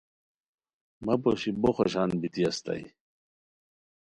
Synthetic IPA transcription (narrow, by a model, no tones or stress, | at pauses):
mɐpoɕiboxoɕanbit̪iɐst̪a̰j